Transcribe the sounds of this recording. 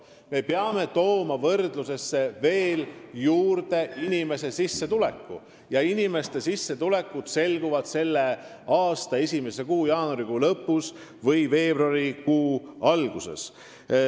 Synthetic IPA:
me̞peɑme̞t̪o̞ːmɑvɤrd̪luse̞sːe̞ve̞ːljuːrd̪̥e̞inʲime̞se̞sisːe̞t̪ule̞̰kːṵ | jɑinime̞st̪e̞sisːet̪ule̞kːud̪̥se̞lɡuvɑd̪̥se̞lːe̞ | ɑːst̪ɑe̞sʲime̞se̞kuːjɑːnuɾiɡuːlɤpːˑus | vɤjve̞ːb̥ruɑɾikuːɑlɡ̥use̞̰s

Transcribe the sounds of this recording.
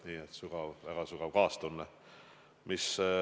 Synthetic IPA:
niːet̪suɡ̥ɑvvæɡ̥ɑsuɡ̥ɑvkɑːst̪unːe | mʔis

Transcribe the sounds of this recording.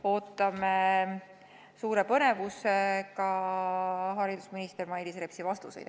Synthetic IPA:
o̞ːt̪ːˑɑme | suːɾe̞pɤne̞vusekɑ | ɦɑɾid̪usminist̪ermɑjd̪isre̞psivɑst̪usejd̪̥̚

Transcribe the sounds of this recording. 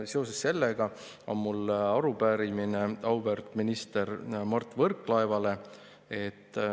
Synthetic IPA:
se̞o̞sesːe̞lːeɡ̥ɑ | onmulɑɾubæːɾimine̞ɑwbert̪ˑminist̪e̞ɾmɑrt̪ːˑvɤrkːˑlɑevɑle̞ | e̞t̪ːˑ

